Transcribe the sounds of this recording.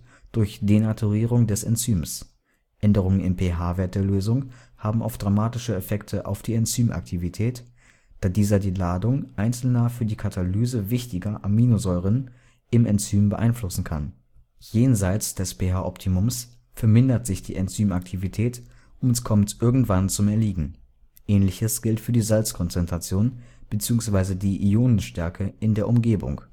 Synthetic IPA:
d̥ʊɐçd̥enatʰuʁiːʁʊŋdɛsɛ̰nt͡syːms | ʔɛndəʁ̞ʊŋənɪmpʰeɦaːveːɐt̚d̥eːɐløːzʊŋ | haːbm̩ʔa̰ʊfd̥ʁamaːtɪʃəɛfɛktʰəʔa̰ʊfd̥iːɛnt͡syːmʔa̰k̚tʰivitʰɛːt | d̥aːdiːzɐdiːlaːdʊŋʔaɪnt͡sl̩nɐfyːɐdiːkʰatʰalyːzəvɪçtɪɡɐʔamːiːnozɔʏʁən | ɪmɛnt͡syːmbəʔa̰ɪnflʊsn̩kʰa̰n | jeːnzaɪt͡sd̥ɛsb̥eːɦaʔɔptʰimʊms | fɛɐmɪndɐtz̥ɪçd̥ḭːʔɛnt͡syːmak̚tʰivitʰɛːt | ʔʊmɛskʰɔmtʔɪɐɡŋ̩tv̥ant͡sʊmɛɐliːɡŋ̩ | ʔɛːnlɪçəsɡ̥ɪltfyːɐdiːzalt͡skʰɔnt͡sɛntʁ̥at͡sjoːnb̥ət͡siːʊŋsv̥aɪzədiːʔioːnənʃtɛɐkʰəɪndeːɐʔʊmɡeːbʊ̰ŋ

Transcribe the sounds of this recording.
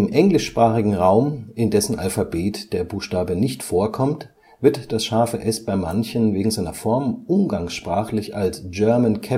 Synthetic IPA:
ɪmʔɛŋlɪʃpʁ̥aːχɪɡŋ̩ʁaʊmɪndɛsn̩ʔalfabeːtd̥eːɐbuːxʃtaːbənɪçtfoːɐkʰɔmt | v̥ɪɐtd̥asʃaɐfəʔɛsb̥aɪmançənveːɡŋ̩zaɪnɐfɔɐmʔʊmɡaŋsʃpʁ̥aːχlɪçalsd͡ʒ̥œɐmənkʰɛ

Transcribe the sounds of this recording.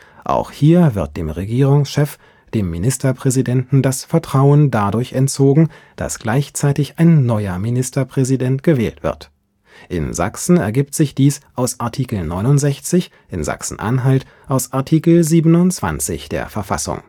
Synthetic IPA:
ʔa̰ʊxhiːɐvɪɐt̚d̥eːmʁeɡiːʁʊŋsʃɛf | d̥eːmːinɪstɐpʁ̥ɛzidɛntn̩dasfɛɐtʁ̥aʊəndadʊɐçɛntt͡soːɡŋ̩ | d̥a̰sɡ̥laɪçt͡saɪtɪçaɪnːɔʏɐminɪstɐpʁ̥ɛzidɛntɡ̥əvɛ̰ːltv̥ɪ̰ɐt | ʔɪ̰nza̰ksn̩ɛ̰ɐɡiːp̚tz̥ɪçd̥iːsʔaʊsʔaɐtʰiːkl̩nɔʏnʊntz̥ɛçt͡sɪç | ʔɪnza̰ksn̩ʔa̰nɦalt | ʔaʊsʔaɐtʰiːkl̩ziːbənʊnt͡sv̥a̰nt͡sɪ̰çd̥ḛːɐfɛɐfa̰sʊ̰ŋ

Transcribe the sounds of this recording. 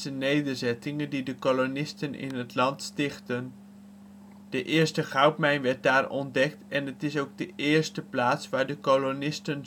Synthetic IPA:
ənejdəɹzɛtɪŋəndidəkolonɪstənɪ̰nɦətlɑntstɪχtən | d̥əʔɪːɹstəχɑwpmɛjnʋɛɹt̚daːɹɔ̰ndɛk̚tɛnɦətɪsowɡ̚dəʔɪːɹstəplaːtsʋaːɹdəkolonɪstən

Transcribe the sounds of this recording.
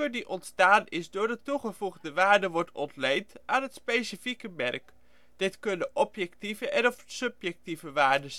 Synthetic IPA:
ødiʔɔntstaːnɪzdʊːɹdətuχəvuχdəʋaːɹdəʋɔɹtɔntlejntʔaːnɦətspejsifikəmɛrk | d̥ɪtkɵndəʔɔpjɛktivəʔɛnɔfsɵpjɛk̚tivəʋaːɹdə

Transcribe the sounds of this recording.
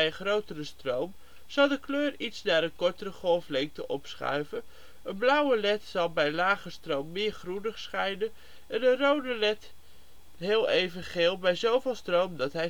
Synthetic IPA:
jəχrowtərəstrowm | z̥ɑlˠdəkløːritsnaːɾənkɔɹtərəχɔlˠflɛŋk̚təʔɔpsχœ̰ɥvən | ənblʌwəlɛtsɑlˠbɛjlaːχəstrowmːɪːɹχrunəχsχɛjnən | ɛnənrowdəlɛt | ɦɪːlˠejvəχɪːlˠbɛjzowvɪːlˠstrowmdɑtɦɛ

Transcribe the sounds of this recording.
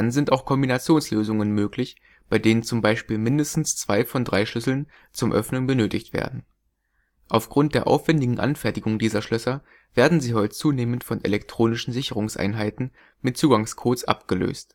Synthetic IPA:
anzɪntaʊxkʰɔmbinat͡sjoːnsløːzʊŋənmøːklɪç | b̥aɪdeːnənt͡sʊmbaɪʃpiːlmɪndəstn̩st͡sv̥aɪfɔndʁaɪʃlʏsl̩n | t͡sʊmʔœ̰fnʊŋbənøːtɪçtv̥ḛːɐdn̩ | ʔaʊfɡ̥ʁʊnt̚d̥eːɐʔa̰ʊfv̥ɛndɪɡŋ̩ʔa̰nfɛɐtɪɡʊŋdiːzɐʃlœsɐ | v̥eːɐdn̩ziːɦɔʏtət͡suːneːməntfɔnʔḛlɛktʁ̥oːnɪʃn̩zɪçəʁ̞ʊŋsʔa̰ɪnɦaɪtn̩ | mɪt̚t͡suːɡaŋskʰoːsʔa̰pɡ̥əlø̰ːst

